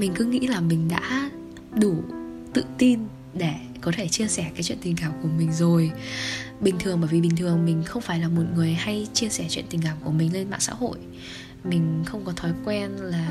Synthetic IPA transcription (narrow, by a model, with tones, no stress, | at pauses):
mï˨˩ŋ̟kɨ˨˦ŋḭ˧˥laː˨˩mï˨˩ŋ̟ɗa̰ː˧˥ | ɗu˧˩ | t̪ɨ̰˧˨t̪i˧n | ɗe˧˩ | kɔ˨˦t̪ʰe˧˩t͡ɕi˧əsɛ˧˩kaː˨˦jt͡ɕwḭ˧˨t̪i˨˩ŋ̟kaː˨˧˩mku˧˩əmï˨˩ŋ̟zo˨˩j | ɓï˨˩ŋ̟t̪ʰɨ˨˩əŋɓəː˧˩jvi˨˩ɓi˨˩ŋ̟t̪ʰɨ˨˩əŋmï˨˩ŋ̟xə˧wŋ͡mfaː˧˩jlaː˨˩mo˨˩t̚ŋɨ˨˩əjha˧jt͡ɕi˧əsɛ˧˩t͡ɕwḭ˧˨nt̪ï˨˩ŋkaː˧˩mku˧˩əmï˨˩ŋ̟le˧nma̰ː˧˨nsa̰ː˧˥ho̰˧˨j | mï˨˩ŋ̟xə˧wŋ͡mkɔ˨˦t̪ʰɔ˨˦jkwɛ˧nlaː˨˩